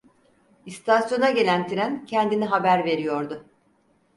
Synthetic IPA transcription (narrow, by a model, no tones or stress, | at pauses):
ist̪ʰasjo̞naɟe̞lʲænt̪ʰiɾæncʰɛnd̪iniɦabæɾve̞ɾijo̞ɾd̪ʊ